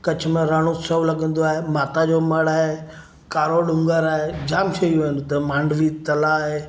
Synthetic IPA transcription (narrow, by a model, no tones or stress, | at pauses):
kɐt͡ɕʰʊmẽɾaːɽ̃ũsɐʋlɐɠə̃n̆d̪oaːɦemaːt̪ad͡ʑoːmɐɽaːɦe | kaːɾoɗʊ̃ŋɡəɾaːɦed͡ʑaːmʃʰɐiʋenʊt̪ɐmãːɳɖʋit̪ɐlaɦeː